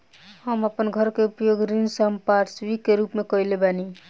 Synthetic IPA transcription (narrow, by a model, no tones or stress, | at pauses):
həməpənɡʱəɾkeupjoɡɾinsəmpaʈsɾikeɾupmekʌjlebani